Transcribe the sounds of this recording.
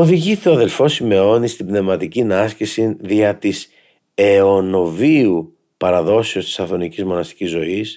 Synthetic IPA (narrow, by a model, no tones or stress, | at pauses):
o̞ðiʝiθoɐðe̞lfo̞sime̞o̞nist̪ibne̞vmɐt̪icinɐscisiðiɐt̪is | eo̞no̞viu | pɐɾɐðo̞seo̞st̪i̥sɐθo̞nicizmo̞nɐst̪i̥cizo̞is